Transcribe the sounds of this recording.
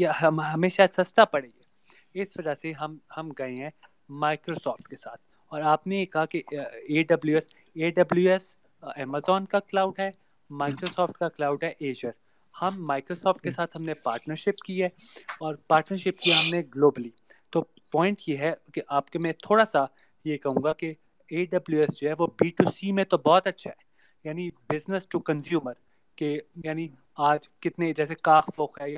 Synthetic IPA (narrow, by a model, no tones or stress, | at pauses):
jeɐmɦɐmeːʃasɐst̪apɐɽeːɡe | ɪsʋɐd͡ʒaseɦɐmhɐmɡɐẽɦɛ̃ | maːɪkɾosɔːfʈ̚kesaːt̪̚ʰ | ɔːɾaːpnejekɐɦakieːɖɐbljuɛs | eːɖɐbljuɛs | ɛːmazɔːnkaklaːʊɖɦɛ | maːɪkɾosɔːfʈ̚kaklaːʊɖɦɛʔeːd͡ʒəɾ | hɐmːaːɪkɾosɔːfʈ̚kesaːt̪ʰɦɐmnepaːɾʈnəɾʃɪpkiɦɛɔːɾpaːɾʈnəɾʃɪp̚kiaɦɐmneɡloːbəli | t̪oː | pɔːɪ̃ɳʈjeɦɛkeʔaːpkemɛ̃t̪ʰoːɽasa | jekɐɦũːŋɡake | eːɖɐbljuɛsd͡ʒoɦɛʋobiːʈuːsimẽt̪obɔːt̪ɐtːʃʰaɦɛː | jaːnibɪznəsʈukɐ̃nsjuːməɾ | kejaːni | aːd͡ʒkɪt̪ned͡ʒɛːsekaːxfoːkɦɛja